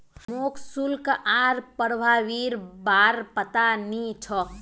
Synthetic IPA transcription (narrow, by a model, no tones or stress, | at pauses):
moːksulkʔaːɾpəɽbʱaʋiɾbaɾpət̪anit͡ʃʰɔ